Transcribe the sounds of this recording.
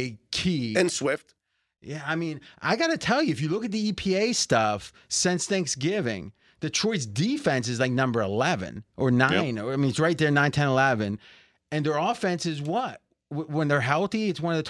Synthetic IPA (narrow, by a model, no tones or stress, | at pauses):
ɨkʰiɨ̃nswɪft̚ | jæaɪmĩnʔa̰ɪɡɑɾɨtʰɛlˠjɨɨfjɨlʊkɨt̪̚ðiipʰieɪstʌf | sɛ̃nsθæ̃ŋksɡɪvɪ̰̃ŋ | ðɨtʰɹ̥ɔɪs̬difɛ̃ns̬ɨzlaɪk̚nʌ̃mbə˞əlɛvɨ̰̃nʔə˞nãɪ̃nə˞aɪmĩnɨtsɹaɪt̪̚ðə˞nãɪ̃ntʰɛ̃nəlɛvɨ̃n | ɨ̃nðə˞ɔfɛ̃nsɨzwʌt̚ | wə̃nðə˞ɦɛlˠθiɨtswʌ̃nʌvðɨtʰ